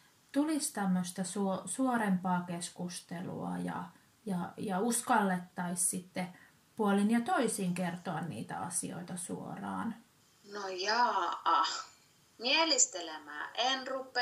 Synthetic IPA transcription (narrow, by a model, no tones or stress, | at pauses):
t̪ulist̪æmːøst̪ɑsuosuoɾempɑːkeskust̪elṵɑ̰jɑ̰ | jɑjɑuskɑlːet̪ːɑissit̪ːe | puolinjɑt̪oisiːŋkert̪oɑnnḭːt̪æ̰ɑ̰sḭo̰it̪ɑsṵo̰rɑ̰ːn | nojɑːɑ | mielist̪elemæ̰ːʔenrupːe